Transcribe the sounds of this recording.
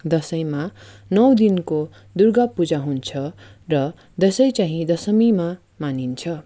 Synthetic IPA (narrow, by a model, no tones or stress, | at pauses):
d̪ʌsʌjma | nʌwd̪inko | d̪urɡapud͡zaɦunt͡sʰʌrʌ | d̪ʌsʌjt͡saɦĩd̪ʌsʌmima | manint͡sʰʌ